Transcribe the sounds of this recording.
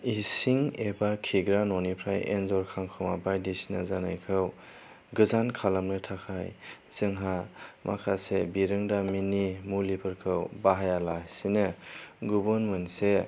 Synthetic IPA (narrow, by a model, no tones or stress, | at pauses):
isiŋebakʰiɡɾanɔnipʰɾajḛnzɔɾkʰaŋkʰɔwmabajdisinazanajkʰɯw | ɡɯzankʰalamnɯtʰakʰajz̥ɯŋɦamʔa̰kʰasebiɾɯŋdaminimulipʰɯɾkʰɯwbaɦajalasinɯɡubɯnmɯnse